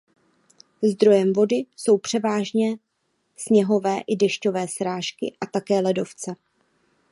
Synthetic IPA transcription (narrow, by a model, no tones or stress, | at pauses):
zd̪ɾo̞jɛmvo̞dɪso̞wpr̝̥ɛvaːʒɲɛ | sɲɛɦo̞vɛːʔɪdɛʃco̞vɛːsɾaːʃkɪ̰ʔat̪akɛːlɛdo̞ft͡sɛ